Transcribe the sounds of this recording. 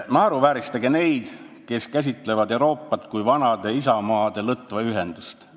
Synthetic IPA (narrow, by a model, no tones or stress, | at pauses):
nɑːɾuvæːɾist̪ɑɡe̞ne̞jd̪̥ | ke̞skæs̬ʲit̪ːˑle̞vɑd̪euɾo̞ːpˑːɑt̪kujvɑnɑd̪̥e̞isɑmɑːd̪̥e̞lɤt̪ːˑvɑyɦend̪̥ust̪